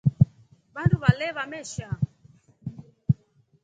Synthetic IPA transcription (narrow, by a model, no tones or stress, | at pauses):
βandʰuβalɛβamɛʃa